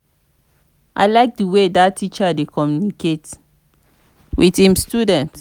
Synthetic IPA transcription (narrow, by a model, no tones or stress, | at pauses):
ʔa̰ɪlaɪk̚dəwedatʰːit͡ʃadekɔmjunikʰet | wʔiθhĩmstudɛ̃nt